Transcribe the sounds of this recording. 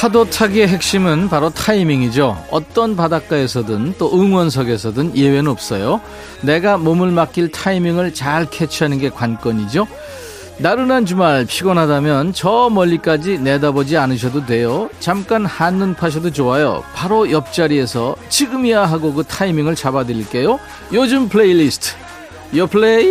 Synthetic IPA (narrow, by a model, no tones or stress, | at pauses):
sʰadotʰaɡieɦek̚ɕ͈imɯnpaɾotʰaimiŋid͡ʑoʌt͈ʌnpadak͈ae̞sʰʌdɯnt͈oʔɯŋwʌnsʰʌɡe̞sʰʌdɯnje̞wenɯnʌp̚s͈ʌjo | ne̞ɡamomuɭmak͈iɭtʰaimiŋɯɭt͡ɕaɭkʰet͡ɕʰɦanɯnɡe̞kwank͈ʌɲid͡ʑo | naɾɯnant͡ɕumaɭpʰiɡʌnɦadamjʌnt͡ɕʌmʌʎːik͈ad͡ʑine̞dabʌd͡ʑianɯɕ̬ʰʌdodwe̞jot͡ɕamk͈anhanːɯnpʰaɕ̬ʰʌdot͡ɕoajo̰paɾojʌp̚t͡ɕ͈aɾie̞sʰʌt͡ɕiɡɯmijaɦaɡokɯtʰaimiŋɯɭt͡ɕabadɯɾiɭk͈e̞jo | jod͡ʑɯmpʰɭeilisʰtʰ | jʌpʰɭe